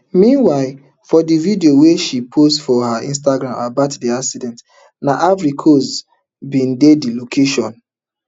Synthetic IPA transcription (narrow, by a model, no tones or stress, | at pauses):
mĩnwaɪl | fɔdividioweʃipʰostfɔɦaḭ̃ns̬taɡɾãmabatdiaksidɛ̃nt | naʔavɾikʰos | bĩndedilokʰeʃɔ̃n